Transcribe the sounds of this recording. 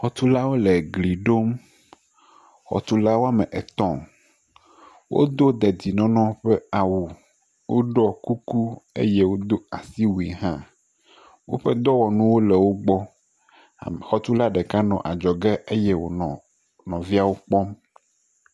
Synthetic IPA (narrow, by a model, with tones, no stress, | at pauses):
xɔ˨t̪u˦la˦wo˦lɛ˨ɡli˨ɖo˦m | xɔ̰˨t̪u˦la˦wo˦a˦mɛ̃˨ʔɛ˨t̪ɔ̃˨ | wʔo̰˦d̪o˦d̪ɛ˨d̪i˨nɔ̃˨nɔ̃˦ɸɛ˦a˨wu˨ | wo˦ɖɔ˦ku˦ku˦ḛ˦je˦wo˦d̪o˦a˨si˦wu˨i˨ɦã˦ | wo̰˦ɸɛ˦d̪ɔ˦wɔ˨nũ˦wo˦lɛ˨wo˦ɡ͡bɔ̰˦˨ | m˨xɔ˨t̪u˦la˦ɖɛ˨ka˦nɔ̃˨ʔa˨d͡ʒɔ˨ɡɛ˦e˦jɛ˦wo̰˨nɔ̃˨ | nɔ̃˨vi˦a˨wo˦k͡pɔ˦m